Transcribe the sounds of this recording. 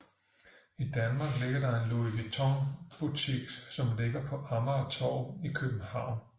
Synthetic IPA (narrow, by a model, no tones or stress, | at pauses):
id̥ænmɑ̈ːɡ̥le̝ɡ̥ɐdɑ̈e̝nlo̝iɡ̥ət͡sʰɒŋb̥ut͡sʰḭɡ̥sɒ̽mle̝ɡ̥ɐpʰɒ̽ʔɑ̈mɐːt͡sʰɒ̰ʊikʰøb̥n̩hɑ̈ʊ̰n